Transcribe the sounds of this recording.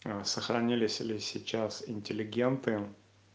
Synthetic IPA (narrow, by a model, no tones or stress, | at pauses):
səxɾɐnʲilʲɪsʲɪlʲɪsʲɪt͡ɕasɪnʲtʲɪlʲɪɡʲe̞nt̪ɨ